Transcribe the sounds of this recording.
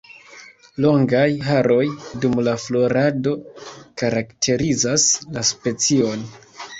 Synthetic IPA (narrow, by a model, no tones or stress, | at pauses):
lo̞ŋɡajɦaɾo̞jdumlaflo̞ɾado̞kaɾaktʰe̞ɾizaslaspe̞t͡sio̞n